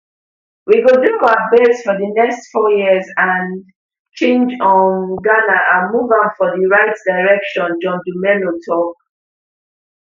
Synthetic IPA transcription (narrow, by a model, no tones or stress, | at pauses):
wiɡodukaabesfɔðənɛkstfɔjizãn | t͡ʃẽnd͡ʒɔ̃nɡanaʔãmuvãnfɔðiɹaɪtdaɪɹɛkʃɔ̃nd͡ʒɔ̃ndumɛlotʰɔk̚